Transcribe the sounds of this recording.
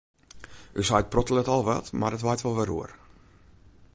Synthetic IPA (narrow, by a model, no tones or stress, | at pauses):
ʔysajt̚prɔtəlˠətɔlˠʋɛ̰tmardətʋajtʋɔlˠʋɛɾṵər